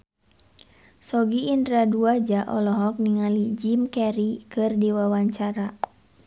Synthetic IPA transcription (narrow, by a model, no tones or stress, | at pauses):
sɔɡiːndɾaduad͡ʒaʔɔlɔɦɔk̚niŋalid͡ʒimkɛɾikɨrdiwawaɲt͡ʃaɾa